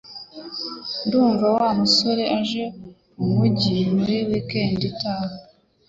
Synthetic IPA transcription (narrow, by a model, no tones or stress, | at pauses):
nduːɱvawamuso̞ɾe̞ʔaʒe̞ | umuɟimuɾiwikenditaːho